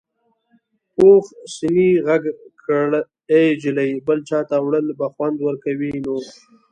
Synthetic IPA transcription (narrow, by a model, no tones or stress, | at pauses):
oxsiniɣaɡkʰəɽ | ed͡ʒɪləjbəlt͡ʃɑːt̪awɽəlbaxwand̪wəɾkawino